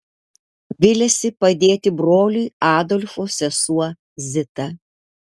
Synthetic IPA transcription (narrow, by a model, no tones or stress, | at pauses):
ʋʲɪlʲɛsʲɪpɐd̪ʲeːt̪ʲɪbɾoːlʲujɑːd̪ɔlʲfoːsʲɛsuɔ | zʲɪt̪ɐ